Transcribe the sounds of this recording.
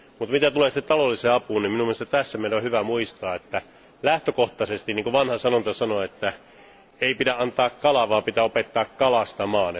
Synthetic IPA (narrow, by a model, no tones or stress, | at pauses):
mut̪mit̪æt̪uleːsit̪ːet̪ɑlolːiseːɑpuːnniminumːiest̪æt̪æsːæmeˑilæohyʋæmuist̪ɑːet̪ːæ | læht̪økoht̪ɑsest̪iniːŋkoʋɑnhɑsɑnont̪ɑsɑnoet̪ːæ | eipidæʔɑnt̪ɑːkkɑlɑʋɑːpit̪æopet̪ːɑːkkɑlɑst̪ɑmɑːn